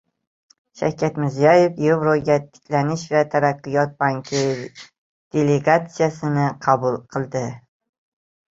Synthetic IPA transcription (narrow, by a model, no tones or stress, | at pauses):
ʃa̰wkʲʰat̪mɪɾzijɒjefjevɾoɡʲat̪ʰɪ̥kʲʰlanɪʃvat̪ʰaɾaqːɨjɒt̪̚baŋkʲʰɪ | d̪̥e̞le̞ɡat̪sijasɪnɪqʰɑbʊlˠqʰɨlˠd̪ɪ